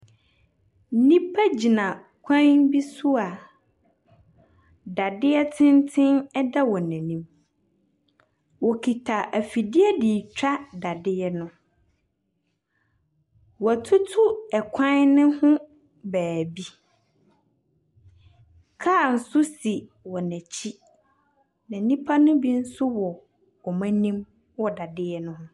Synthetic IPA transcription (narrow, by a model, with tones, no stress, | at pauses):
nĩ˦pʰa˦d͡ʑi˨nã˨ | kʷʰã˦bi˦sʊ˦a˨ | da˨dɪ˦ɛ˦tʰɪ̃˦ntʰɪ̃˦nɛ˦da˦wɔ˨nã˨nĩ˦m | wɔ˨kʰi˨tʰa˨ʔæ˨fi˨di˦ɛ˦di˨t͡ɕᶣa˦da˨dɪ˦ɛ˦nʊ̃˦ | wɔ˨æ˨tʰʊ˦tʰʊ˦ɛ˨kʷʰã˦nɪ̃˦hʊ̃˦ | bæː˨bi˦ | kʰaː˦˨n̩˨sʊ˦si˨ | wɔ˨næ̃˨t͡ɕʰi˦ | nã˨nĩ˦pʰa˦nʊ̃˦bi˦n̩˦sʊ˦wɔ˨ | wɔ˨mã˦nĩ˦m | wɔ˨da˨dɪ˦ɛ˦nʊ̃˦hʊ̃˦